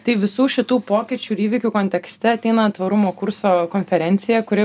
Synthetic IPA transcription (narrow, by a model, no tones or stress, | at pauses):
t̪ɐɪʋʲɪsuːʃʲɪt̪uːpoːkʲɪt͡ʃʲuːɪɾiːʋʲɪkʲuːkoːnʲt̪ʲɛksʲt̪ʲɛɐt̪ʲɛɪnɐt̪ʋɐɾʊmoːkʊrsoːkoːnʲfʲɛɾʲɛnʲt̪sʲɪjɛkʊɾʲɪ